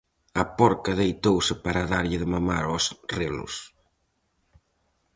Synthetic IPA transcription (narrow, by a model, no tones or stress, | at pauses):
ɐpɔɾkɐðejt̪owsɪpaɾaðaɾʎɪðɪmamaɾɔsrelʊ̰s